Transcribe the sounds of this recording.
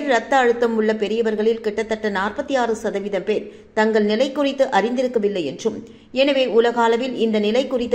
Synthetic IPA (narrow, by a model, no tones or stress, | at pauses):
ɾɾɐt̪ːɐːɻɯt̪ːɐmʊɭːɐpɛɾɪjɐʋɐɾɣɐɭɪlkɪʈːɐt̪ːɐʈːɐnaːrpɐt̪ːijaːrɯsɐðɐʋɪðɐmpeːɾ | t̪ɐŋɡɐɭnɪlɐɪkːʊrɪt̪ːɯʔɐrɪnd̪ɪɾɯkːɐʋɪlːɐɪjɛndrɯm | ɛnɐʋeːʊlɐɣaːlɐʋɪlɪnd̪ɐnɪlɐɪkːʊrɪt̪ː